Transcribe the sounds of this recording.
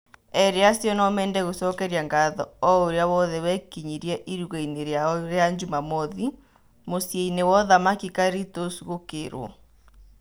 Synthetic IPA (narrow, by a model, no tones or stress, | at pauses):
ɛɾeasjɔnɔmɛːndɛɣosɔkɛɾiaŋɡaðɔɔoɾeaβɔðɛwɛkiɲiɾiɛʔiɾuɣɛineɾjaɔɾeaɲd͡ʒumamɔði | mosjɛinewɔðamakikaɾitosuɣokḛɾwɔ̰